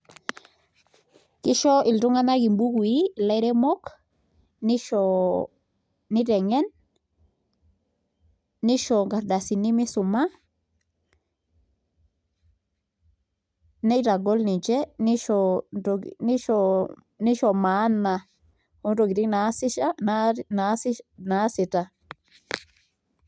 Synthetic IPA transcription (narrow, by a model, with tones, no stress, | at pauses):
ki˦ʃo˦i˨lɾu˦ŋa˦na˦ɡi˨mbu˦ɡwi˦˨la˦jɾe˦mo˦k | ni˦ʃo˨ | ni˦ɾe˨ŋɛ˦n | i˦ʃo˨ŋɡa˨ɾda˨si˨ni˦mi˦su˨ma˦ | ne˦jɾa˨ɡo˦lni˨d͡ʒe˦ni˦ʃoɾoɡni˦ʃo | ni˦ʃo˨ma˦nːa | hu˦nɾo˨ɡi˨ɾi˦nasi˦ʃa˦nanasina˦si˨ta˨